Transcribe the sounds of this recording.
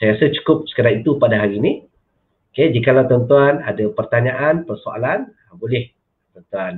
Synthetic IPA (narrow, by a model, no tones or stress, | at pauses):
sajasat͡ʃu̥kʊp̚sə̥kədaŋit̪upadaɦaɾini | oked͡ʒikalawt̪ənt̪uanadapərt̪aɲaʔanpərsoa̰lan | bolɛh | t̪ənt̪uan